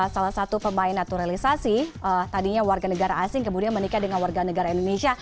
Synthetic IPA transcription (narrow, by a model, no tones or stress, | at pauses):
salahsat̪upəmaɪnːat̪uɾalisasiət̪adiɲawarɡanəɡaɾaːsɪŋkəmudianmənikadəŋanwarɡanəɡaɾaindoneʃia